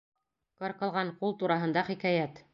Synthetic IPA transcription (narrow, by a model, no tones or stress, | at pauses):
qɒ̆ɾqɤ̆lˠʁɑɴqulˠt̪uɾɑɦɤ̆nd̪ɑχikæjæt̪